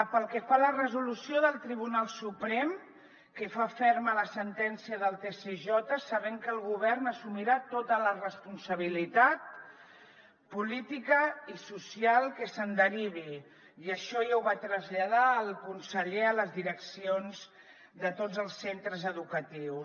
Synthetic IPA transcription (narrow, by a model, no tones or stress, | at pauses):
pəlˠkɛfalərəzulusioðəlˠt̪ɾiβ̞unalˠsupɾɛm | kəfafɛɾmələsənt̪ɛnsiəðəlˠt̪eseʒɔt̪əsəβɛŋkəlˠɣuβ̞ɛrnəsumiɾat̪ot̪ələrəspunsəβ̞ilit̪at̪̚ | pulit̪ikəisusialˠkəsənd̪əɾiβ̞i | iəʃɔjawβat̪ɾəzʎað̞aəlˠkunsəʎeələzðiɾəksionz | ðət̪od͡zəlˠsːent̪ɾəzəðukət̪iw